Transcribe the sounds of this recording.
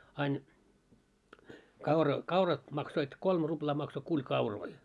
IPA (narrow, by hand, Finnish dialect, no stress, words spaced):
ɑin kɑurɑ kɑurɑt mɑksoit kolm ruplɑː mɑkso kulʲ kɑuroi